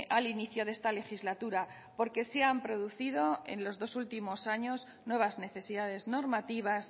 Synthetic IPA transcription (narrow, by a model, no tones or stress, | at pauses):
ʔaliniθjo̞ðe̞st̪ale̞xizlat̪uɾa | po̞ɾke̞seampɾo̞ð̞uθið̞o̞e̞̰nlo̞zðo̞sult̪imo̞saɲo̞z | nwe̞β̞azne̞θe̞siðaðe̞zno̞ɾmat̪iβ̞as